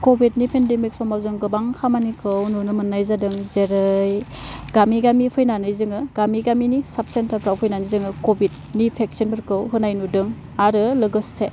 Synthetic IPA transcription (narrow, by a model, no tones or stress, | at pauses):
kobit̚nipʰendemik̚sɔmawzɯŋɡɯbaŋkʰamanikʰɯwnunɯmɯnːajzadɯŋzeɾɯjɡ̥amiɡamipʰɯjnanɯjzɯŋɯɡ̥amiɡaminisap̚sentʰapɾawpʰɯjnanɯzɯŋɯkobid̚ | nipʰek̚sinbʰɯɾkɯwɦɯnajnudɯŋ | aɾɯlɯɡɯsse